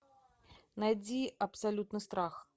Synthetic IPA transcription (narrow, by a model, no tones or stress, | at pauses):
najd͡zʲiɐpsalʲut̪nɨst̪ɾax